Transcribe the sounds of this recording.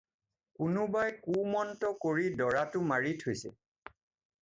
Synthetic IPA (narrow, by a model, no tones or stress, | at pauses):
kʊnʊbajkumɔntɔkoɹidɔɹatʊmaɹitʰojsɛ̰